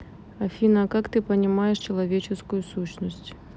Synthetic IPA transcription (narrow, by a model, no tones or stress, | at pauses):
ɐfʲinɐkakt̪ɨpɐnʲɪmajɛʂt͡ɕɪlˠavʲet͡ʃɪskujusuɕnəsʲt͡sʲ